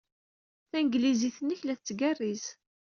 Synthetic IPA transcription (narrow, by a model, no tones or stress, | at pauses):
θænɡliziθənːəçlæθt͡sːɡærːiz